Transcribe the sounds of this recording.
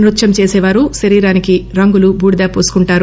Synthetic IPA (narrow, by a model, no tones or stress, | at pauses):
nɾut̪ːʃɐmt͡ʃeːsɛːʋaːɾuʃɐɾiːɾaːnikiɾɐŋɡulubuːɽid̪aːpoːsu̥kuɳʈaːɾu